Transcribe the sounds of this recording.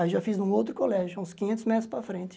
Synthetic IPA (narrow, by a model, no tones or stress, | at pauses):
iʒafizũowt̪ɾʊkolɛʒʊũskĩɲẽnt̪ʊzmɛt̪ɾʊspɾɐfɾẽnt̪ɪ